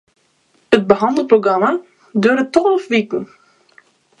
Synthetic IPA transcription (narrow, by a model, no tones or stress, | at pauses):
ət̚bəɦɑndəl̩ˠproɡrɑma | døːɾətːɔlˠəfʋiːkən